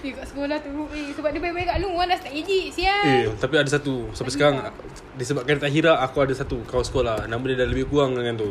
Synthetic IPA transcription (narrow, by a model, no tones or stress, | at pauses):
ikaʔsə̥kolaht̪uɾuʔisəbap̚dibajbajkaʔluŋuandast̪aʔid͡ʒiʔsiait̪apiadasat̪usapasəkaɾaŋ | disəbaʔ̚kant̪aɦiɾaːkuadasat̪ukaasə̥kolanamudidaləbɪhkuaŋdəŋant̪u